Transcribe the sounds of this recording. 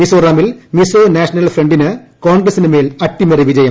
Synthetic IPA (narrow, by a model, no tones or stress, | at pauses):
misoːraːmilmisoːnaːʂɐnɐlfreɳɖinɨkoːɳɡɾɐsinɨmeːlɐʈːimɐriʋid͡ʑɐjɐm